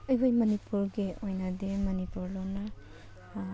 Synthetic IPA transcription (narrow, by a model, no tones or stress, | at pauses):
ɐjbojmɐnipuɾɡeojnɐdemɐnipuɾlona